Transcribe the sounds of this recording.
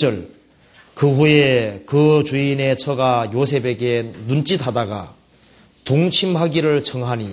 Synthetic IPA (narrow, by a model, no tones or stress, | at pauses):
t͡ɕ͈ʌɭ | kɯɸujekɯt͡ɕuine̞t͡ɕʰʌɡajos̬ʰe̞be̞ɡe̞nunt͡ɕ͈itʰadaɡa̰ | toŋt͡ɕʰimɦaɡiɾɯɭt͡ɕʰʌŋɦaɲi